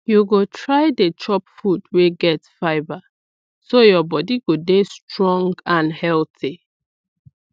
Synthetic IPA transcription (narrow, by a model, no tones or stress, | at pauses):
juɡotʰɹaɪdet͡ʃɔpfudweɡɛtfaɪba | sojɔbɔdiɡodestɹɔ̃ŋɡãnhɛlti